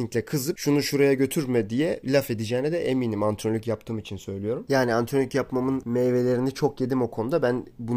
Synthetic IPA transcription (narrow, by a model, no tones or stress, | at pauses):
iŋclʲɛkʰɯzɯpʃunuʃuɾajaɟø̞t̪ʰyɾmɛd̪ijɛlʲafe̞d̪id͡ʒɛːnɛd̪ɛʔemiːnimant̪ʰɾolʲycjap̚t̪ʰɯːmit͡ʃʰinsø̞jlʲijo̞ɾumjaːniant̪ʰɾolʲycjapmamɯnmeve̞lʲe̞ɾinit͡ʃʰo̞kje̞d̪imo̞kʰonud̪abænbu